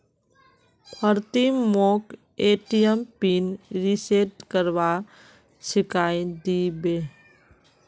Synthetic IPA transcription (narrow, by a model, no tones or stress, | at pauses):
kʰəɾt̪imok | eʈijəmpinɾiseʈkəɾʋa | sɪkajd̪ibe